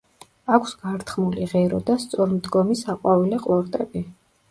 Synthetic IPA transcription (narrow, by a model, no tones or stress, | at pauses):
akʷʰsɡ̥aɾt̪ʰχmuliʁɛɾɔd̪ast̪sʼɔɾmd̪ɡɔmisaqʼwavilɛqʼlˠɔɾt̪ʼɛbi